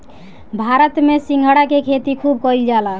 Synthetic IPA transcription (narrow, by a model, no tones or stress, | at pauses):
bʱaɾət̪mesĩŋɡʱəɽakekʰet̪ikʰub̚kɔild͡ʒala